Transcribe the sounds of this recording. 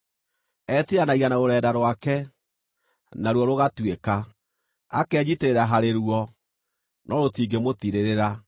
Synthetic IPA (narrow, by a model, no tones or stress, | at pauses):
ɛtiɾanaɣianaoɾɛːdaɾwakɛ | naɾwɔɾoɣatweka | akɛd͡ʑiteɾeɾaɦaɾeɾuɔ | nʔɔɾotiːɡemotiɾeɾeɾa